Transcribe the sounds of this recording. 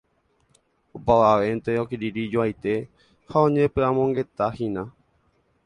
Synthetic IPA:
opaʋaʋent̪eokiɾiɾid͡ʒoajt̪e̞ | haõ̞ɲẽpɨãmõ̞ŋɡe̞t̪ahĩnã

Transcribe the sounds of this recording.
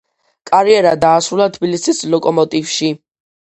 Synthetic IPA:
kʼaɾiɛɾad̪aːsɾulˠat̪ʰbilisislɔkʼɔmɔt̪ʼifʃi

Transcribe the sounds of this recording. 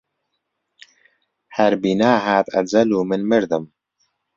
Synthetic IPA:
hɐɾbiːnaːɦaːt̪ɐ̰d͡zɐluːmɨnmɨɾd̪ɨm

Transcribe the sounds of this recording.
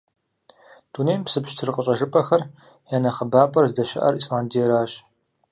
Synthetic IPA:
d̥unejmpsɨpɕtʰɨrqʼəɕʼɐʒɨpʼɐxɐr | jaːnɐχɐbaːpʼɐrzdɐʃɪ̰ʔɐ̰rislaːndijɛɾaːɕ

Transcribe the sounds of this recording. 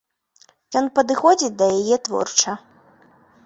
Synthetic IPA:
jɔnpɐd̪ɨxɔd͡zʲit͡sʲd̪ɐjajɛt̪vɔ̰rt͡ʂɐ

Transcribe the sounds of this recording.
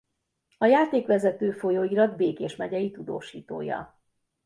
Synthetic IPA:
ɒjaːt̪eːkʋɛzɛt̪øːfo̞joːiɾɒd̪beːkeːʃmɛɟɛjit̪ud̪o̰ːʃiːt̪o̰ːjɒ̰

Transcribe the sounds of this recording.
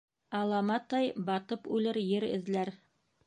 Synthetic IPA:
ɑlˠɑmɑt̪ɑjbɑt̪ɤpʉlɘɾjɘɾɘ̰̆ðlæɾ

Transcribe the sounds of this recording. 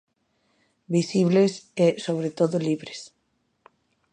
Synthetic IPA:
bisiβlesesoβ̞ɾet̪oðoliβɾes

